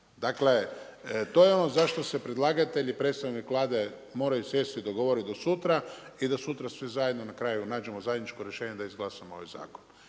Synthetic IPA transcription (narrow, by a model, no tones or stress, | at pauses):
d̪akle̞t̪o̞jeo̞no̞zaʃt̪o̞se̞pɾed̪lˠaːɡat̪e̞ʎipɾet̪st̪aʋnikʋlˠaːd̪e̞ | mo̞ɾajusje̞st̪id̪o̞ɡo̞ʋoɾid̪o̞sut̪ɾaid̪asut̪ɾasʋizajed̪no̞nakɾaːjunaːd͡ʒe̞mo̞zajed̪nit͡ʃko̞ɾjeʃeːɲe̞d̪aizɡlˠaːsamoo̞ʋa̰jza̰ːkon